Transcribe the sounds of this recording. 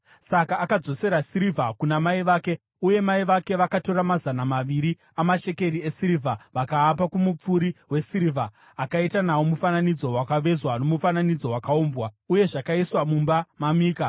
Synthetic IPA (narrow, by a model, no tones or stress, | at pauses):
sakaːkad͡zo̞se̞ɾasiɾivʱakunamaiʋaːke | uje̞maiʋake̞ʋakato̞ɾamazanamaʋiɾi | amaʃe̞ke̞ɾiesiɾivʱaʋakaːbakumup͡fuɾiwe̞siɾivʱaː | kaitanawomufananid͡zo̞wakaʋe̞zwano̞mufananid͡zo̞wakaoːmbwa | uje̞ʐakaiswamumbamamiːka